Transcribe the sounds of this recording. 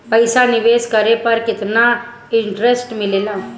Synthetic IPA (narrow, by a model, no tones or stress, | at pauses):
pəjsanɪʋeːskəɾepəɾkɪt̪na | ɪɳʈɾesʈmɪlelaː